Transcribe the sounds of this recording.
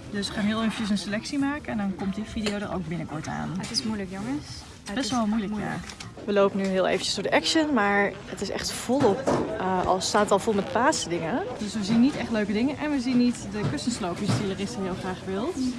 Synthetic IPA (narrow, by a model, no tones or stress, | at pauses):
dɵsʋəχaːnɦɪːlˠejvənəs̬ənselɛksimaːkəɛndɔnkɔmtdɪfidiowdəro̰wk̚bɪnəkɔ̰ɹta̰ːnɪsuləkjoŋəs | bɛtʋɔlˠmujləkja̰ | ʋəlowpənyɦɪːlˠḛjvənt͡ʃəsd̥oːɹdəʔɛkʃənmaːɹ | ətɪsɛ̰χtv̥ɔlˠɔpɑ̰lˠstaːtətɑlˠvolˠmɛt̚paːsədɪŋədøsʋəzinitɛχtløɥkədɪŋəʔɛnʋəzinːitdəkøstənslowpɪstelˠərɪstəɪːlˠχraːχʋɪlˠt